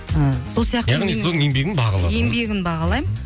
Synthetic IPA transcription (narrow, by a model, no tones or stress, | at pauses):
əso̞lˠsijɑq̪jɑʁnisod̪əjembe̞ɡʲɪnbɑʁɑ̰lˠɑ̰eembe̞ɡʲɪnbɑʁɑlˠɑjmə